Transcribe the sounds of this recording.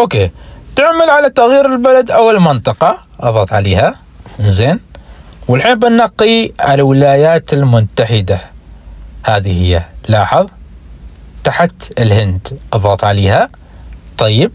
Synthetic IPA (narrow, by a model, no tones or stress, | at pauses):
ʔoːkeːt̪ɪʕmalʕalat̪aɣjiːɾɪlbalad̪ʔawːallmɪnt̪ˤɨqɑ | ʔɑðˤɑːt̪ˤʕaleːha | nzeːnwɪlħiːnbɪnːɑqːiʕalawɪlaːjaːt̪ɪlmʊt̪aħɪd̪a | haːðihɪjːalɑːħɑðˤ | t̪aħt̪ɪlhɪnd̪ʔɑðˤɑːt̪ˤʕaleːha | t̪ˤɑjːɪb̚